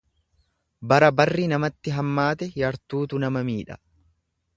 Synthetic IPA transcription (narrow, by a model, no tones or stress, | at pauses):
bɐɾɐbɐrːinɐmɐt̪ːɪɦɐmːaːt̪ɛjɐɾt̪uːt̪ʊnɐmɐmiːᶑɐ̥